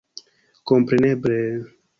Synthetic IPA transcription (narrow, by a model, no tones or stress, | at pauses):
kompɾeneble